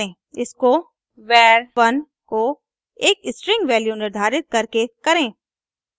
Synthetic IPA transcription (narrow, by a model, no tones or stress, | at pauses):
ẽː | ɪsko | ʋɛːɾʋɐn | ko | eːkɪsʈɾɪ̃ŋɡʋɛːljunɪɾd̪ʱaːɾɪt̪̚kɐɾkekɐɾẽː